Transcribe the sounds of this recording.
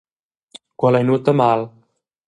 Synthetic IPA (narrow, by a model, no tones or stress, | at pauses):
kwalajnut̪ːəmal